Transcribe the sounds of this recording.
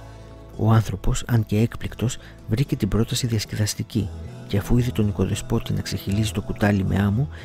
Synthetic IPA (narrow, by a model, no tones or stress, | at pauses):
o̞̰ɐnθɾo̞po̞sɐɲce̞e̞kplikt̪o̞s | vɾice̞t̪ibɾo̞t̪ɐsiðiɐsce̞ðɐst̪iciceɐfuiθe̞t̪o̞niko̞ðespo̞t̪inɐkseçilisi̥t̪o̞kut̪ɐlimḛɐmu